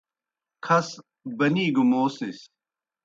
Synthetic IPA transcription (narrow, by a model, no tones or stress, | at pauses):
kʰɐs | bɐniːɡumoːsis